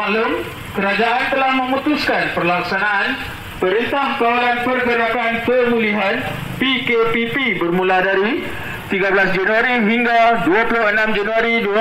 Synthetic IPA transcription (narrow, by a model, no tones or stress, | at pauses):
aləm | kəɾad͡ʒaʔant̪əlahmə̃mũt̪uskanpərlaksanaʔan | pəɾint̪ahkawalanpərbəɾakanpənuliɦan | pikepipibərmũladaɾi | t̪iɡablasd͡ʒanuaɾiɦiŋɡaduapulʊhənãmd͡ʒanuaɾid